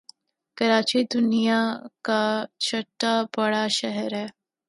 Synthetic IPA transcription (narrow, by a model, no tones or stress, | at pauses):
kɐɾaːt͡ʃid̪ʊnijakat͡ʃʰɐʈːabɐɽaʃɛɦəɾɦɛː